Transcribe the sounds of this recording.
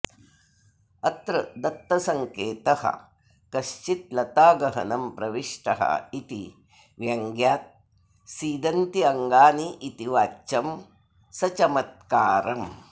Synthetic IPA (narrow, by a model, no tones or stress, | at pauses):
ɐt̪ɾɐd̪ɐt̪ːɐsɐŋkeːt̪ɐhɐ̰ | kɐʃt͡ʃit̪̚lɐt̪aːɡɐɦɐ̰nɐmpɾɐʋiʂʈɐɦɐ̰it̪i | ʋjɐŋɡjaːt̪̚ | siːd̪ɐnt̪iɐŋɡaːniʔit̪iʋaːt͡ʃɐm | sɐt͡ʃɐmɐt̪̚kaːɾɐm